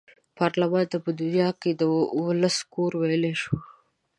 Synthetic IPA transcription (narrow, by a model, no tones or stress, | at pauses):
pɑɾlamɑnt̪apəd̪unjɑked̪əwəlaskoɾwajleʃo